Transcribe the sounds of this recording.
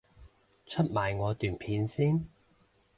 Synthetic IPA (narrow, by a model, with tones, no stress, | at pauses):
t͡ʃʰɵ˥t̚maː˨jŋɔː˨˧t̪yː˨npʰiː˨˧nsiː˥n